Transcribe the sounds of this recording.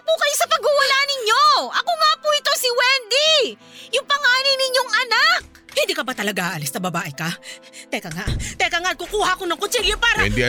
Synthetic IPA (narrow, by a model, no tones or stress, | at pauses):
pukɐjsɐpɐɡhʊwɐnanɪɲjo̞ʔɐkoŋaːpuɪt̪o̞sɪwɛnd̪i | jʊŋpɐŋaːninɪɲjoŋʔɐnak̚hɪ̃nd̪iːkɐbat̪ɐlɐɡaʔaːʔɐlɪst̪ɐbɐbaːʔɪkɐ | t̪ɛkɐŋat̪ɛkɐŋaʔ̚kukuːhɐʔɐkonɐŋkot͡ʃiljɛpaːɾɐ̰d̪